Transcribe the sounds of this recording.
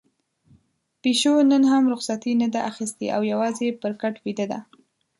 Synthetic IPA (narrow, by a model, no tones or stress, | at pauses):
peʃonənɦamɾʊxsat̪inad̪aʔaxist̪ḛʔa̰wjawɑzepəɾkaʈwid̪əd̪a̰